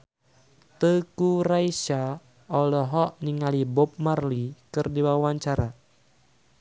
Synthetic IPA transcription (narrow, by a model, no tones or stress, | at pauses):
t̪əkuɾaiʃa | ɔlɔɦɔʔniŋalibɔp̚marlikɨrdiwawaɲt͡ʃaɾa